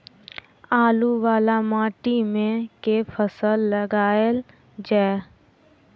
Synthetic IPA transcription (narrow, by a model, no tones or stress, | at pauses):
aːluwaːlamãːʈimẽkepʰəsəlːəɡaːel | d͡ʒaːe